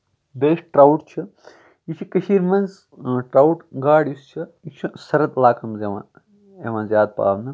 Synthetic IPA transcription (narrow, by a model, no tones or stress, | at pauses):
beːʂʈʈɾawʈt͡ʃʰi | jit͡ʃʰikɐʃiːɾmɐnz | ʈɾawuʈɡaːɽjust͡ʃʰiit͡ʃʰisɐɾɐt̪laːkʰɐmzeʋã̰ | eʋãːnzʲjaːd̪̚pa̰ːʋnɐ